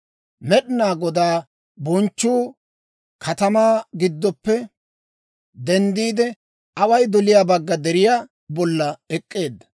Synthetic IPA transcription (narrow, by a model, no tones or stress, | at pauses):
mɛɗɪnaːɡɔd̪aː | bɔnt͡ʃːuː | kʰɐt̪ɐmaːɡɪd̪ːɔpːɛ | d̪ɛnd̪iːd̪ɛ | ɐwɐjd̪ɔlɪjaːbɐɡːɐd̪ɛɾɪjaː | bɔlːɐɛkʼːe̞ːd̪ːɐ̥